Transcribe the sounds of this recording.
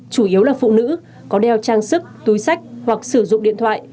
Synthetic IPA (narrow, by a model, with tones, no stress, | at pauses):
t͡ɕu˧˩ʔi˨˦əwlaː˨˩fṵ˧˨nɨ̰˧˥ | kɔ˨˦ɗɛ˨˩wt͡ɕaː˧ŋsɨ˦˥k̚t̪u˨˦jsa˦˥jk̟̚hwa˨˩k̚sɨ˧˩zʊ̰˧˨ŋ͡mɗḭ˧˨ənt̪ʰwa̰ː˧˨j